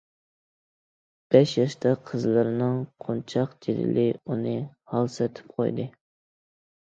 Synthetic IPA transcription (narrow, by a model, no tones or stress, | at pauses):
b̥ɛʃjɑʃt̪ʰɑqʰəzlˠɨɾɨnɨŋqʰont͡ʃʰɑqd͡ʒeɾɪ̰lɪunɨhɑlˠsɛt̪ʰɪ̥p̚qʰo̰jd̪ɨ